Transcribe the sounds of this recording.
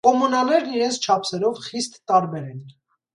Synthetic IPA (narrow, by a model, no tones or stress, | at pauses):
kɔmɔnɑnɛɾniɾɛnt͡sʰt͡ʃʰɑpʰsɛɾɔvχist̪ːɑɾbɛɾɛn